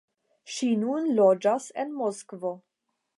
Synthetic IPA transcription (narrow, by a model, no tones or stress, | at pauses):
ʃinunlod͡ʒasenmoskvo